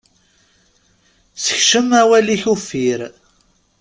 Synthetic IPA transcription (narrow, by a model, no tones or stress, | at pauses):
sə̥çʃəmæwæliçufiɾ